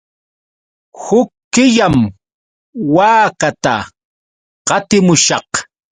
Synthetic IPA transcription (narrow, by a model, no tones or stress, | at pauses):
hʊkːɪʎam | waːkat̪a | qɑt̪ɪmʊʃɑq